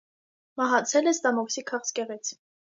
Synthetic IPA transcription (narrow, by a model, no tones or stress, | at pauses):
mɑɦɑt͡sʰɛlɛst̪ɑmɔksikʰɑχskɛʁit͡sʰ